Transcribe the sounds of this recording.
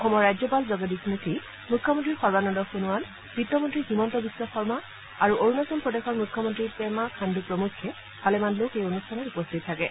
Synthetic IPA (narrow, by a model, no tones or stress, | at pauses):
ɔxɔmɔɹːajzɔpalzɔɡɔdikmitʰi | mukʰːjɔmɔntɹiɹxɔɹbanɔndɔxunʊwan | pɹitːɔmɔntɹiximɔntɔbisːɔxɔɹma | aɹuʔoɹunɔsɔmpɹɔdexɔɹmukʰːɔmɔntɹipɛmakʰandupɹɔmukʰːɛ | b̥alɛmanlokejonustʰanɔtupɔstʰitʰːakɛ